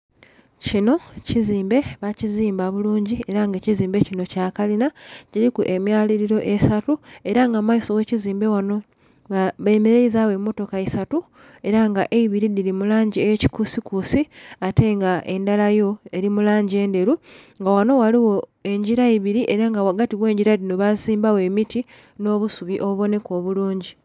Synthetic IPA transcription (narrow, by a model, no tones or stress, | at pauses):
cino̞ciziːmbe̞βaciziːmbaβuluːɲɟie̞ɾaŋɡeciziːmbe̞cino̞caːkalinaciɾikuʔe̞mjaːliɾiɾo̞ʔe̞satue̞ɾaŋɡamaiso̞we̞ciziːmbe̞wano̞ | βaimeɾeizaːwe̞mːo̞to̞kaesatu | e̞ɾaŋɡaʔeiβiɾiðilimulaːɲɟieci̥kusikusiate̞ŋɡaʔe̞ndalajo̞e̞ɾimulaːɲɟe̞ːnde̞ɾu | ŋɡawano̞waliwo̞e̞ɲɟiɾaiβiɾiʔe̞ɾaŋɡawaɡatiβwe̞ːɲɟiɾaɾino̞βaziːmbawe̞miti | no̞ːβusuβiʔo̞ββo̞ne̞ko̞ːβuluːɲɟi